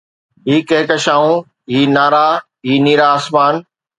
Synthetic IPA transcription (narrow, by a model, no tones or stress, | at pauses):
ɦiːkẽːɪkɐʃaːũ | ɦiːnaːɾaː | ɦiːniːɾaːsmaːn